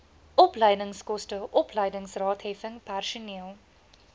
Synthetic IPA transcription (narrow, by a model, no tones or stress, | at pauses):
ɔplɐjdəŋskɔstəʔɔplɐjdəŋsrɑːtheːvəŋpærʃunilˠ